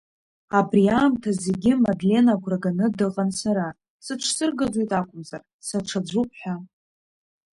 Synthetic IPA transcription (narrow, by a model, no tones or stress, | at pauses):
abriaːmtʰaze̞ɡʲɪmadle̞naɡʷraɡanɨdɨqʼansaɾa | sɨʈ͡ʂʰsɨrɡadejtʼakʷʼʊmzar | saʈ͡ʂʰad͡ʒʷup̚ʼʰħʷᶣa